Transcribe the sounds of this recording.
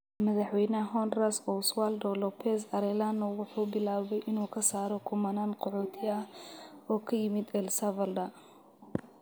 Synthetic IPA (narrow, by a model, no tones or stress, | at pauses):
mɐðɑħwɛjnɐɦɔnrasɔswaːld̪ɔlɔpʰɛsɐɾɛlanʊwʊħuːbɪlaːβɛjʔɪnuːkʰɐsaːɾɔkʰʊmɐnaːnqɔħɔːt̪ʰɪɐhɔːkʰɐjɪmɪd̪ɛlsɐvɐld̪ɐ